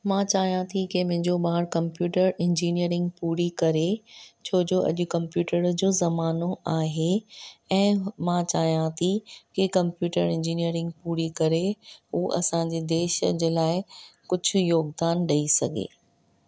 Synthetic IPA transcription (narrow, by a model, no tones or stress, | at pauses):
mãt͡ɕaːɦijãt̪ʰikemẽɦɪ̃ɲd͡ʑoɓaːɾkɐ̃mpjuːʈəɾɪ̃ɲd͡ʑiːnijəɾɪ̃ŋɡpuːɾikɐɾet͡ɕʰoːd͡ʑoːʔɐ̰ʄʊkɐ̃mpjuːʈəɾd͡ʑoːzɐmaːnoʔaːɦeɛ̃ːmãt͡ɕaːɦijãt̪ʰikɪkɐ̃mpjuːʈəɾɪ̃ɲd͡ʑiːnijəɾɪ̃ŋɡ̚puːɾikɐɾeɦuːʔɐ̰sãɲd͡ʑeːd̪eːʃəd͡ʑeːlaːɪkʊd͡ʑʱʊ̆joːɡd̪aːnɗɐisɐɡʱḛː